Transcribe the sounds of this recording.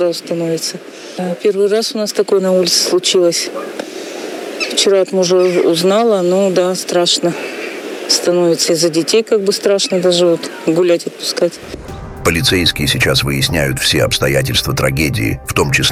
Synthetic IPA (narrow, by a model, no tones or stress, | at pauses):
aʊst̪ɐnovʲɪt̪sə | pʲe̞rvɨjrasʊnast̪ɐko̞jənɐulʲɪt̪sɨ̥slˠʊt͡ɕilˠəsʲ | ft͡ɕɪɾat̪mʊʐɛʊznalˠənod̪ast̪ɾaʂnə | st̪ɐnovʲɪt̪səizədʲɪtʲejkaɡ̚bɨst̪ɾaʂnəd̪aʐɨvot̪ɡʊlʲætʲɐt̪̚pʊ̥skatʲ | pəlʲɪt̪sejskʲɪjɪsʲɪt͡ɕasvɨjɪsʲnʲæjʊt̪fsʲeɐpst̪ɐjætʲɪlʲst̪vət̪ɾɐɡʲedʲɪ̰ːft̪o̞mt͡ɕɪsʲ